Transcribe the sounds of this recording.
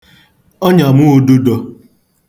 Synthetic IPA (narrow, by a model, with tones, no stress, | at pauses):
ɔ˦ɲa˨mu˦˨du˦dɔ˧